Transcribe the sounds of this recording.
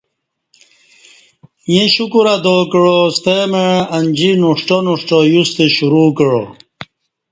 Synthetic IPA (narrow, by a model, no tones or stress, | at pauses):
jẽɕukuɾad̪oːkəɻost̪emeɐnʲd͡ʑinuʂʈonuʂʈojust̪eɕuɾuːkəɻo̰